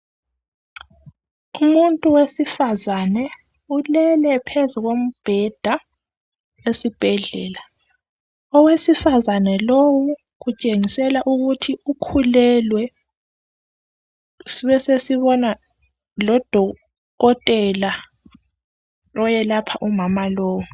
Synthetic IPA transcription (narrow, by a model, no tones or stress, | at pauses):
umuntʼuwesifazanɛ | ulɛlɛpʰezuɣom̩b̥ʱɛd̥ʱa | esib̥ʱɛɮɛ̰ːla | ɔwesifazanɛlowu | ɣut͡ʃʼeŋisɛlaʔuɣutʰiʔukʰulɛlwɛ | siβɛsesiβɔna | lɔd̥ʱɔ | ɣɔtʼɛla | ɔjɛlapʰaʔumamaloːwu